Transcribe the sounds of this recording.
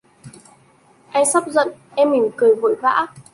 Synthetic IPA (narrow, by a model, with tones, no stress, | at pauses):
ʔa˧jsa˦˥p̚zə̰˧˨n | ʔɛ˧mi˨˩mkɨ˨˩jvṵ˧˨jva̰ː˧˥